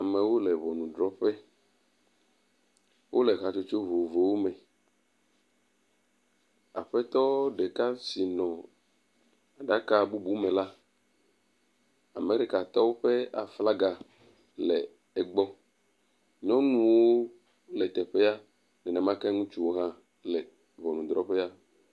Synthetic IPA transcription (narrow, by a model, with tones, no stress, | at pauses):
a˨mɛ̃˨wo˦lɛ˨βɔ˨nũ˨dɾɔ˦ɸɛ˦ | wo˦lɛ˨ɣa˨t͡ʃo˦t͡ʃo˦vo˨vo˨wo˦mɛ̃˨ | a̰˨ɸɛ˦t̪ɔ˦ɖɛ˨ka˦si˨nɔ̃˨ | a˨ɖa˦ka˦˨bu˦bu˦mɛ̃˨la˦ | a˨me˦ɾi˦ka˨t̪ɔ˦wo˦ɸɛ˦a̰˨fla˦ɡa˨ | lɛ˨ | ɛ˨ɡ͡bɔ˦ | ɲɔ̃˦nũ˦wo˦ | lɛ˨t̪ɛ˨ɸɛ˦a˦ | nɛ˨nɛ̃˨mã˦kɛ˦ŋũ˦t͡ʃu˦wo˦ɦã˦ | lɛ˨ | vɔ˨nũ˨d̪ɾɔ˦ɸɛ˦a˦